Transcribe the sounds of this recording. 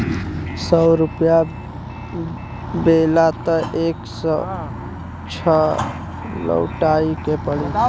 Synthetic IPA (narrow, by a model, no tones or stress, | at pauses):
səwɾupja | belat̪əʔeks | t͡ʃʰʌ | lə̰wʈaikepəɽi